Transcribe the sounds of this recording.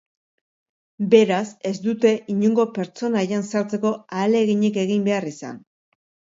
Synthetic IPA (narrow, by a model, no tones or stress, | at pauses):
be̞ɾase̞zd̪ut̪e̞ʔiɲuŋɡo̞pe̞ɾt͡so̞najansaɾt͡se̞ko̞aːle̞ɣiɲike̞ɣ̞imbe̞arisa̰n